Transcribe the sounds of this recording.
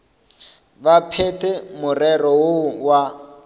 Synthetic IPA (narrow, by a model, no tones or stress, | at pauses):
bapʰɛtɛmʊrɛrɔwʊwa